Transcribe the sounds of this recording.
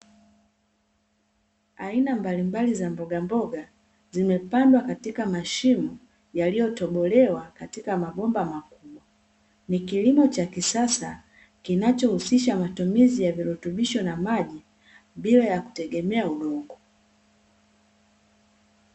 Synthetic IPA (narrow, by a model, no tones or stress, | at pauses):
ainambalimbalizambɔɡambɔɡa | zimɛpandwakatikamaʃimu | jalijɔtɔɓɔlɛwakatikamaɓɔmbamakuɓwa | nikilimɔt͡ʃakisasa | kinat͡ʃɔhusiʃ̬amatumizijaviɾutuɓiʃɔnamaʄi | bilajaku̥tɛɠɛmɛauɗɔŋɡɔ